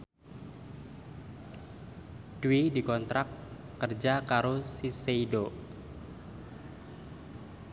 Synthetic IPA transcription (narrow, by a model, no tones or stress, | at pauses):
d̥uidikɔnt̪ɾakː | ərd͡ʒakaɾosiseido